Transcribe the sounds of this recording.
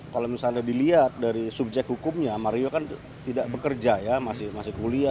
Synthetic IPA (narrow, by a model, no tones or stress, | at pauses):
kalamisandadiliat̪̚daɾisub̚d͡ʒɛk̪̚hukʊmɲamaɾiokan | t̪idaʔbəkərd͡ʒajamasɪhmasɪhkulia